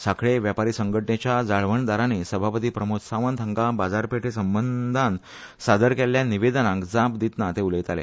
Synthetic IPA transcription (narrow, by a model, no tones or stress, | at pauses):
sakɭeʋjapaɾiːsəŋɡəʈnet͡ɕjad͡zaɭʋəɳd̪aɾanesəbʱapət̪iːpɾəmut̪saʋənt̪ʰəŋɡabad͡zaɾpeʈʰesəmbənd̪ʱan | sad̪əɾkeljaniʋed̪ənãkd͡zãpd̪it̪nat̪euləjt̪alḛ